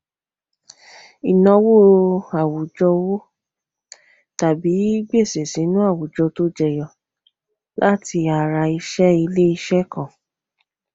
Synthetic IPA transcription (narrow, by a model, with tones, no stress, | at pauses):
i˨nɔ̃˧wo˦a˨wu˨d͡ʒɔ˧wo˦ | ta˨bi˨˦i˦ɡ͡be˦˨se˨sĩ˨˦nũ˦a˦˨wu˨d͡ʒɔ˧to˦d͡ʒɛ˦˨jɔ˨ | lʔa˦tʰi˧a˨ɾa˧i˧ʃɛ˦i˧le˦i˧ʃɛ˦kã˨